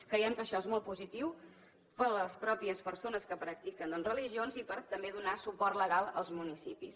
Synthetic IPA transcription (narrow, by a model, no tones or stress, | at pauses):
kɾəiɛmkəːʃɔezmɔlˠt̪puzit̪iw | pələspɾɔpiəspəɾsonəskəpɾək̚t̪ikənd̪ənrəliʒionzipəɾt̪əmbeðunasupɔrt̪ləɣalˠə̰lˠzmunisipis